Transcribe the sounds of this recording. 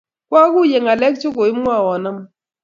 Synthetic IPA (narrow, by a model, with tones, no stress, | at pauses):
kwa˦kʊ˦je˨ŋa˨lɛ˦kt͡ʃʊ˦ko˨ɪ˦mwa˦˨wɔ˨na˦m